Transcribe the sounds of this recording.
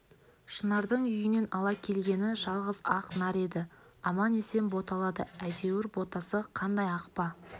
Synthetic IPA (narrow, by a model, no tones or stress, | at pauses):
ʃənɑɾd̪əɴʏjɪne̞nɑlˠɑkʲʰe̞lɡʲe̞nɪʒɑlˠʁəzɑqnɑɾe̞d̪ɪ | ɑmɑne̞se̞mbo̞t̪ɑlˠɑd̪əæjd̪e̞wɪɾbo̞t̪ɑsəqʰɑnd̪ɑjɑqpɑ